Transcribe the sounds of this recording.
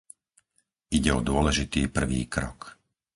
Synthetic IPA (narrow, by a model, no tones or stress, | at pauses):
iɟɛɔd̪ʊɔlɛʒit̪iːpr̩ʋḭːkɾɔk